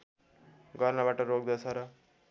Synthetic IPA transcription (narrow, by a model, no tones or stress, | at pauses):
ɡʌrnabaʈʌɾoɡd̪at͡sʰʌɾʌ